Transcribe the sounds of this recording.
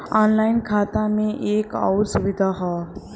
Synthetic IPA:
ɔnlaːɪnkʰaːt̪amẽʔeːkɔ̰wɾsuʋid̪ʱaɦɔː

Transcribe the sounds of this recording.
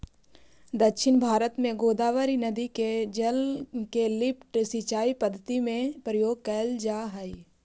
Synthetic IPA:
d̪əkʃɪnbʱaːɾət̪mẽɡoːd̪aːʋəɾinəd̪iked͡ʒəlkelɪpʰʈsɪt͡ʃaːipəd̪ʱːət̪imẽpɾəjoːɡ̚kəld͡ʒaːɦəi

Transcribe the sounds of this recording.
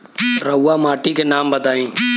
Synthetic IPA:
ɾɐwːamaːʈikenaːmbɐt̪aːĩː

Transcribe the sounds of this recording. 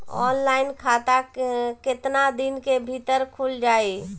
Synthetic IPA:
ɔ̰nlainkʰat̪akɪt̪nad̪inkebʱit̪əɾkʰuld͡ʒaːe

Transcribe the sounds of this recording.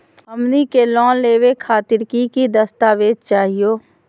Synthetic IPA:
əmnikelɔ̃ːnleːwekʰaːt̪ɪɾkikid̪əst̪aːʋeːd̪̚t͡ʃaːɦijoː

